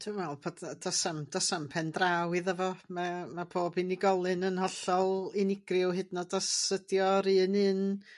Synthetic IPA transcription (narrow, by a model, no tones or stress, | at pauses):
tʰuːmwɛlˠpʰoddasamd̥ɔsampʰɛndrawɨðəvɔmamabʰoːbinɪɡɔlˠɨnənhɔɬɔlˠɪnɪɡrɪwɦɨdnɔdasədjɔɾɨːnɨn